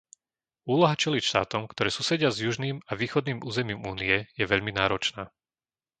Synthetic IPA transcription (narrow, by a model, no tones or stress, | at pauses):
uːlɔɦat͡ʃɛlicʃt̪a̰ːt̪ɔmkt̪ɔɾɛːsuːsɛɟɪazjuʒniːmaʋiːxɔd̪niːmuːzɛmiːmuːniɛjɛʋɛʎminaːɾɔt͡ʃnaː